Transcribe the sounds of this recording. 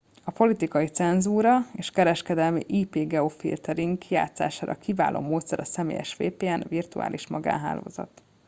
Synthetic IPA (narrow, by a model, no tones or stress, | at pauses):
ɒpo̞lit̪ikɒjit̪sɛnzuːɾɒeːʃkɛɾɛʃkɛd̪ɛlmḭʔiːpeːɡɛofḭlt̪ɛɾiŋkja̰ːt̪sa̰ːʃaːɾʔɒ̰kiva̰ːlʔo̰ːmoːt̪sɛɾɒsɛmḛːjɛ̰ʃʋḛːpeːɛnvirt̪ua̰ːlʔiʃmɒɡa̰ːnɦa̰ːlo̰ːzɒ̰t̪